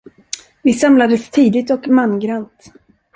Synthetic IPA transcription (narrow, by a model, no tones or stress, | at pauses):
vɪsamlad̪əst̪ʰiːd̪ɪt̪ɔkmanɡɾant̪